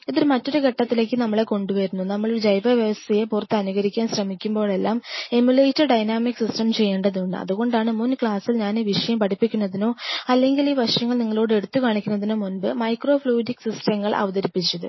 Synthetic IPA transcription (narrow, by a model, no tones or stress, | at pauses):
iðiɾmɐtːo̞ɾukɐʈːɐt̪ːile̞ːkːɨnɐmːɐɭe̞ko̞ɳɖuʋɐɾunːunɐmːɐɭoɾud͡ʑɐjbɐʋjɐʋɐst̪ʰɐjepurɐt̪ːɨɐnuɣɐɾikʲːaːnɕrɐmikʲːumbo̞ːɭe̞lːaːme̞mjulejtːɐɖɐjnaːmiksisʈɐmt͡ɕe̞jːeːɳɖɐðuɳɖɨ̰ɐ̰ðuɣo̞ɳɖaːɳɨmunkɭaːsilɲaːniːʋiʂɐjɐmpɐʈʰipːikʲːunːɐðino̞ːɐlːe̞ŋɡiliːʋɐʂjɐŋːɐɭniŋːɐɭo̞ːɽɨe̞ɽut̪ːukaːɳikʲːunːɐðinoːmunbɨmɐjkro̞ːfluːdiksisʈɐmːɐɭʔɐ̰ʋɐðɐɾipːit͡ɕːɐðɨ̰